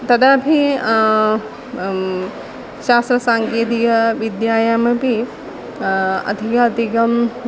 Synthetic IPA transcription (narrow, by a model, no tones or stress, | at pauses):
t̪ɐd̪abʱi | ʃaːst̪ɾɐsãːŋkeːd̪ikɐʋid̪jaːjamebʱi | ɐ̰d̪ʱikat̪iɡɐm